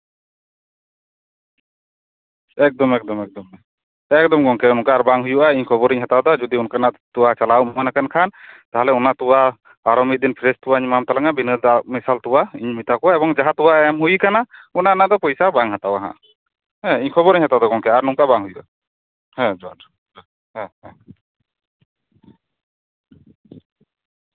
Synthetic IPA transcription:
ɛk̚d̪ɔmɛk̚d̪ɔmɛk̚d̪ɔmɛ | ɛk̚d̪ɔmɡɔŋkɛnɔŋkaːɾbaŋɦujuʔaiɲkʰɔbɔɾiɲɦat̪awd̪ɔd͡ʒɔd̪iunkanaʔt̪uwat͡ʃalawmɔanakankʰant̪aɦɛlɛunat̪uwa | aɾɔmid̪inpʰɾɛst̪uwaiɲmamt̪alaŋabinəd̪amisalt̪uwaiɲmit̪akɔwaɛbɔŋd͡ʒaɦat̪uwaɛmɦujkanaunanad̪ɔpɔjsabaŋhat̪awaɦã̰ʔ | hɛ̃iɲkʰɔbɔɾiɲhat̪awd̪ɔɡɔŋkɛaɾnuŋkabaŋɦujuʔa̰ | hɛ̃d͡ʒ | hɛ̃hɛ̃

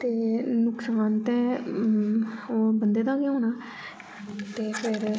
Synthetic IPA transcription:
t̪eːnʊksaːnt̪ɛ̃ː | oːbənd̪eːd̪ãːkeɦoːnaː | t̪eːpʰɪɾ

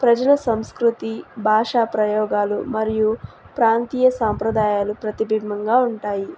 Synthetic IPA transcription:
pɾɐd͡ʒɐlɐsɐmskɾut̪ibʱaːʂaːpɾɐjɔːɡaːlumɐɾiju | pɾaːnt̪iːjɐsaːmpɾɐd̪aːjaːlupɾɐt̪ibʱimːɐŋɡaːuɳʈaːji

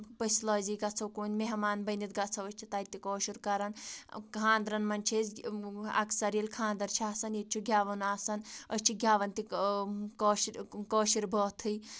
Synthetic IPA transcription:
pəslɐːziɡat͡sʰɐwkoːnʲmeɦmaːnbɐnit̪̚ɡat͡sʰɐəsʲt͡ʃʰit̪aːjt̪ikɔːʃiɾkɐɾɐnkkʰãːnd̪ɾɐnmɐnʲt͡ʃʰezɐ̰kʰsɐɾiilkʰãːnd̪ɐɾt͡ʃʰiaːsɐnet̪̚t͡ʃʰuɡʱʲjaːʋɐnaːsɐnəsʲt͡ʃʰiɡʱʲjaːʋɐnt̪ikɔːʃiɾkɔːʃiɾbʱɔːt̪ʰɨj

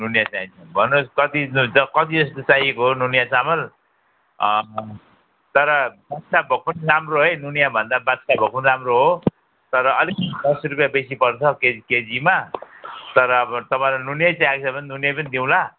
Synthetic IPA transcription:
nunjat͡saĩnt͡sʰʌnbʱʌnoskʌt̪ind͡zʌkʌt̪id͡zʌst̪ot͡sajekoɦonunjasamʌl | t̪ʌɾʌbat̪sabʱʌk̚pʌnramroɦʌjnunjabʱʌnd̪abat̪sabʱʌk̚punramroɦo | t̪ʌɾʌʌlikʌnid̪ʌsrupjabesipʌrt͡sʰʌkeked͡zima | t̪ʌɾʌt̪ʌpãlanunjat͡sãaksʰapʌninunjapʌnid̪iw̃la

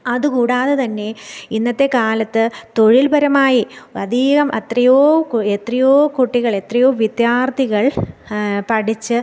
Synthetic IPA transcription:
ɐðukuːɽaːðet̪ɐnːe̞inːɐt̪ːe̞kaːlɐt̪ːɨt̪o̞ɻilbʱɐɾɐmaːjiɐd̪ʱiːɣɐmʔɐ̰t̪rijoːet̪rijoːkuʈːiɣɐɭe̞t̪rijo̞ːʋid̪jaːrt̪ʰiɣɐɭ | pɐʈit͡ɕːɨ

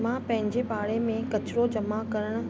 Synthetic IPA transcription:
mãpɐ̃ɦɪ̃ɲd͡ʑepaːɭemẽkɐt͡ɕɪɾod͡ʑɐmakɐɾəɽ̃ʊ̆

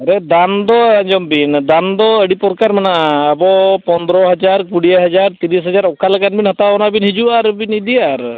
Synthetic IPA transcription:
əɾɛd̪and̪ɔaɲd͡ʒɔmbind̪and̪ɔəɽipɔɾkaɾmanaəbɔpɔnd̪ɾɔɦəd͡ʒaɾkuɽijaɦad͡ʒaɾt̪iɾisɦəd͡ʒaɾɔkʰalakanbinhɔt̪abɔnabinɦid͡ʒuaɾbinid̪iaɾ

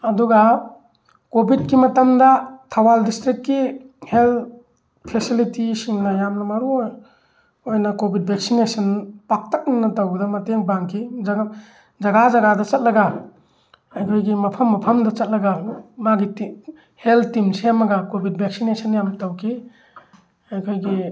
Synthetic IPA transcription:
ɐduɡɐ | kobʱid̚kimɐtɐmdɐtʰawaldistɾikːihel | pʰesilitisiŋnɐjamnɐmaɾuoj | ojnɐkobʱid̚bek̚sinesɐnpak̚tɐk̚nŋnɐtawɡdɐmɐteŋbaŋkʰid͡ʒaɡ | d͡ʒɐɡad͡ʒɐɡadɐt͡ʃɐt̚lɐɡɐ | ajkʰojɡimɐpʰɐmːɐpʰɐmdɐt͡ʃɐt̚lɐɡɐmaɡiti | heltːimseamɐɡɐkobʱid̚bʱek̚sinesɐnjamtawkʰi | ajkʰojɡi

